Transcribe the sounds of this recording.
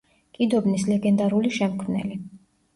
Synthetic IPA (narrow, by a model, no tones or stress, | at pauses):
kʼid̪ɔbnislɛɡɛnd̪aɾuliʃɛmkʰmnɛ̰li